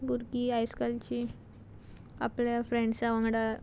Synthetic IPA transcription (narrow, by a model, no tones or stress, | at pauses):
ɡuɾkiːajskalt͡ɕiː | a̰pljafɾẽɳɖsaʋãŋɡɽa